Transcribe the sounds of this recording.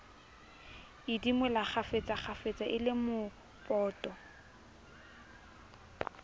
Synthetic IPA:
ɪdimɛlaχafet͡sʼaχafet͡sʼaʔɪlɪmʊ | pʼɔːtʼɔ

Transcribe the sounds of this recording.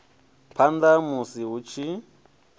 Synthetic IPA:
pʰandamusiɦut͡ʃʰi

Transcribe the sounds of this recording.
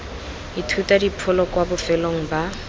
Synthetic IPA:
itʰutadipʰʊlɔkwabʊfɛloŋ̩ba

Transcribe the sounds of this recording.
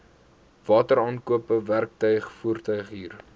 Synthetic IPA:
vɑːtəɾɑːnkuəpəværk̚tœɥχfuːrtœɥχɦiːr

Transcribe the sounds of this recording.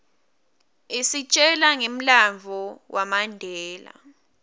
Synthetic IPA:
isit͡ʃʼɛlaŋem̩laɱvʱɔwʔamandʱɛːla̰

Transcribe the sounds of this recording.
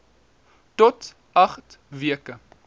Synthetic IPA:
tɔt | ʔɐχt | viəkə

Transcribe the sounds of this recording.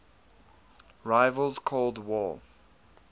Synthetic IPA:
ɹaɪvəlˠz̥kʰɔlˠdwɔ

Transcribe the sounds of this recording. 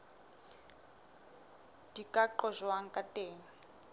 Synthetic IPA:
d̥ikʼaǃɔʒwaŋ̩kʼateːŋ̩

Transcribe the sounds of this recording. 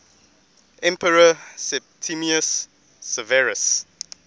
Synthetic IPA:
ʔɛ̃mpəɹəsɛp̚tʰimiəsː | əvɛɹəs

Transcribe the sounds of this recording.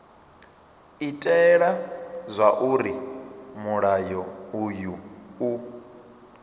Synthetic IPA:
itʼɛɺazʷaʔuɾimuɺajɔujuu

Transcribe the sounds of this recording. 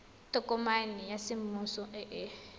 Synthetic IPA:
tʼɔkʼɔmanijasɪmusɔʔɛʔɛ

